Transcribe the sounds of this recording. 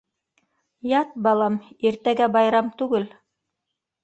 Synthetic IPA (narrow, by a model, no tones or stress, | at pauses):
jɑt̪̚bɑlˠɑmiɾt̪æɡæbɑjɾɑmt̪ʉɡɘl